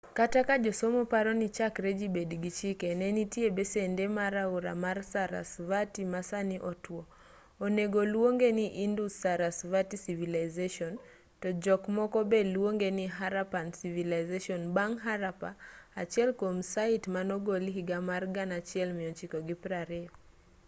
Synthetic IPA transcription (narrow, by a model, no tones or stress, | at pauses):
katakad͡ʒɔsomɔpaɾɔnit͡ʃakɾɛd͡ʒibɛdɡit͡ʃikɛnɛnitiebɛsɛndɛmaɾauɾa̰marsaɾa̰svatimasaniʔɔtwɔ | ɔneɡɔlwoŋɡeniʔindusaɾasvatisivilajzeʃɔn | tɔd͡ʒɔkmɔkɔbɛlwoŋɡeniɦaɾapansivilajzeʃɔnbaŋɦaɾapaa̰t͡ʃiɛlkomsaitmanɔɡoliɦiɡamarɡanat͡ʃɪɛlmɪɔt͡ʃikɔɡipɾaɾɛɔ